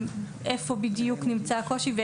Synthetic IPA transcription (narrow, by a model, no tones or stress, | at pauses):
ʔe̞fo̞bidjuknimt͡sako̞ʃive